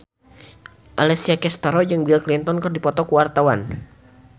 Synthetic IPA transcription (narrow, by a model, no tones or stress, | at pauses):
ʔalɛsiakɛst̪aɾɔd͡ʒɨŋbilklint̪ɔnkərdipɔt̪ɔkuwart̪awan